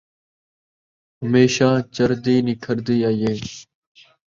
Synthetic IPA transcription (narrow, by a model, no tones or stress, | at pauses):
ɦəmeːʃãːt͡ʃəɾd̪iːnɪkʰəɾd̪iːaːjeː